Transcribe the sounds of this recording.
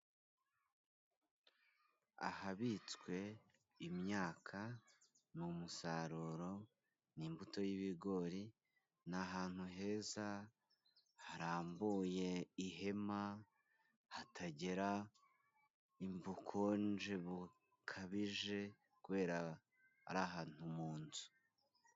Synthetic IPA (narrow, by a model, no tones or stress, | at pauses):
a̰haβit͡skwe̞ | imɲaːkʰa | numusaɾuɾo̞ | nimbuto̞jiβiɡo̞ɾi | naɦaːn̥huɦe̞ːza | haɾaːmbuje̞iɦe̞ma | hatʰaɟe̞ɾa | imvukʰond͡ʒe̞βu | kʰaβiʒe̞ | kuβe̞ːɾa̰ː | ɾaːɦaːn̥humuːnzu̥